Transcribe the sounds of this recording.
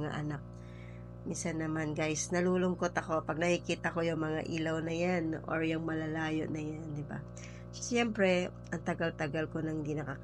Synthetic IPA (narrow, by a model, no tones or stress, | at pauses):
ŋa̰ʔɐnak̚ | minsɐnːɐmanɡajsnɐluːlʊŋkot̪ɐko̞pɐɡ̚nɐkikiːt̪ɐkojʊŋmɐŋa̰ʔiːlɐwnɐjanʔo̰ɹjʊŋmɐlɐlaːjo̰ʔnɐjand̪ɪba̰ | sjɛmpɾɛ | ʔɐŋt̪ɐɡalt̪ɐɡalko̞nɐŋhɪnd̪iːnɐka